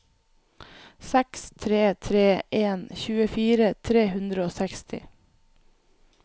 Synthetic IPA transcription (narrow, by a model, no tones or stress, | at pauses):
sɛkst̪ʰɾeːt̪ʰɾeːʔeːnçʉːəfiːɾət̪ʰɾeːhʉnd̪ɾəoːsɛkst̪ɪ̰